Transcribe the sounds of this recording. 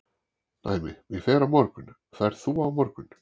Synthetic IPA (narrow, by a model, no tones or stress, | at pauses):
na̰ːjmɪ̰vɪɣfɛːɾavmɔɾkʏn | θaɛɾ̥θuavmɔɾkʏn